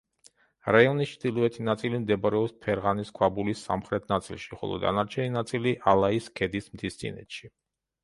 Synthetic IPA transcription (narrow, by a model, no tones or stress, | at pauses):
ɾaiɔnist͡ʃʰd̪ilˠɔɛt̪ʰinat̪sʼilimd̪ɛbaɾɛɔpspʰɛɾʁaniskʰwabulisːa̰mχɾɛt̪ʰnat̪sʼḭlˠʃiχɔ̰lˠɔ̰d̪a̰naɾt͡ʃʰɛninat̪sʼiliʔalˠaiskʰɛd̪ismt̪ʰist̪sʼḭnɛ̰t̪ʃi